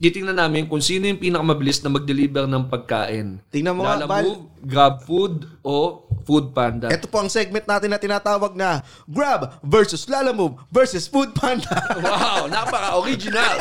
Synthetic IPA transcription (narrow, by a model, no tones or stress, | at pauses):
k̪it̪ɪŋnɐnaːmɪnkʊŋsiːnojʊŋpiːnɐkɐmɐbɪlisnɐmɐɡ̚d̪ɛliːbɛɾnɐŋpɐɡ̚ka̰ːʔɪnt̪ɪŋnɐnmolalɐbaːmuvɡɾab̚fud̪̚ʔofud̪̚pand̪ɐʔɛt̪opoʔɐŋsɛɡ̚mɛnt̪̚naːt̪ɪnːɐt̪ɪnaːt̪aːwɐɡ̚nɐ | ɡɹabvɛɹsʊslaːlɐmuvvɛɹsɛsfud̪̚pʰand̪ɐwawnɐpɐkɐʔoɾid͡ʒɪnal